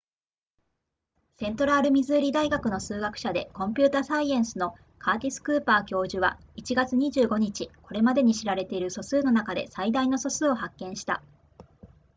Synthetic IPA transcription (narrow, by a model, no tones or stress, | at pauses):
sẽ̞nt̪oɾaːɾɯ̟mʲizɨːɾʲid̪aiɡakɯ̟no̞sɨːɡakɯ̟̥ɕad̪e̞̰kõ̞mpʲɨːt̪aːsaiẽ̞ɰ̃sɨno̞ | kʰaːt̪ʲisɨ̥kɯ̟ːpaːkʲo̞ːʑɨβa̰ | it͡ɕiɡat͡sɨɲ̟iʑɨːɡo̞ɲ̟it͡ɕiko̞ɾe̞mad̪e̞ɲ̟iɕiɾaɾe̞t̪e̞iɾɯ̟so̞sɨːno̞nakad̪e̞̰said̪aino̞so̞sɨːo̞hakːẽɰ̃ɕi̥t̪a̰